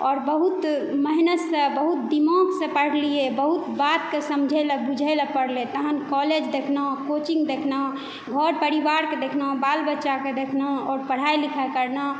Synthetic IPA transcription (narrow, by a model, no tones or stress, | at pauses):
ɔːɾbəɦut̪məɦinəsə̃bəɦut̪̚d̪imõksə̃pəɽ̤lijebəɦut̪bat̪kesəmd͡ʒʱələbud͡ʒʱəjləpəɽlet̪əɦənkɔled͡ʒd̪ekʰnəɦkot͡ʃĩŋɡd̪ekʰnã | ɡʱɔɾpəɾibaɾked̪ekʰnəõbalbətːʃaked̪ekʰnə̃ɔːɾpəɽ̤ajlikʰakəɾna